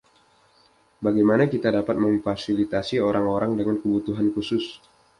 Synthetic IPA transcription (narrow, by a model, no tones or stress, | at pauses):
baɡajmanakit̪adapat̪̚məɱfasilit̪asioɾaŋoɾaŋdəŋankəbut̪uɦankusʊs